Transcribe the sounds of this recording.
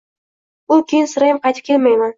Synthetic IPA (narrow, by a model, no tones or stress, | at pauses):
ʊkʲʰejɪnsɪɾajɪmqʰɑjt̪ʰɪp̚kʲʰelmajman